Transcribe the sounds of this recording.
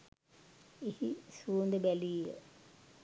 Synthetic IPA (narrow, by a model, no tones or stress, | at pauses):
ehisuond̪əbæliːjə̰